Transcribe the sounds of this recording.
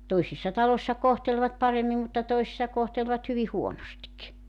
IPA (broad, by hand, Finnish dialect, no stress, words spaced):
toisisːɑ tɑlosʲsɑ kohtelʋɑt pɑremːim mutːɑ toisĭsːɑ kohtelʋɑt hyʋi huonostik